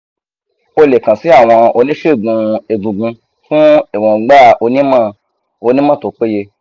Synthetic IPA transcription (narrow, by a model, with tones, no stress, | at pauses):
o˦le˨kã˨si˨˦a˦˨w̃ɔ̃˧o˧nĩ˦ʃe˦˨ɡũ˧e˨ɡũ˨ɡũ˧ | fũ˦e˨wã˨˧˨ɡ͡ba˦˨o˧nĩ˦mã˦˨ | o˧nĩ˦mã˦to˨k͡pe˦je˧